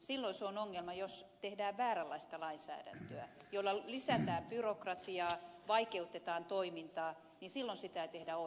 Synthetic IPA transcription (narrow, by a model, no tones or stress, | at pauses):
silːoinseonoŋːelmɑjost̪ehdæːʋʋæːrælːɑist̪ɑlɑinsæ̰ːdæ̰nt̪øæ̰ | jolːɑlisæt̪æːmpyrokrɑt̪iɑːʋɑikeut̪ːet̪ɑːnt̪oimint̪ɑː | ninsilːonsit̪æt̪ehdæo